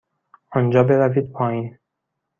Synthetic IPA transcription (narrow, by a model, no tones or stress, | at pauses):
ɒnd͡ʒɒːbe̞ɾæviːd̪̚pʰɒːiːn